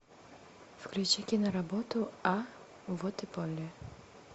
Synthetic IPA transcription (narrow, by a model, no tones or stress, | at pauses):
fklʲut͡ʃikʲinɐɾabɔt̪ua | vɔt̪ɨpɔlʲːɛ